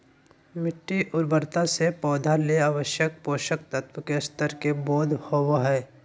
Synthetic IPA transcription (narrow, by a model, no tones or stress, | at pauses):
mɪʈːiʔʊɾbəɾt̪asepɔːd̪ʱaleaʋəʃjək̚poːʃəkt̪ət̪wəkest̪əɾkeboːd̪ʱhowaɦɛː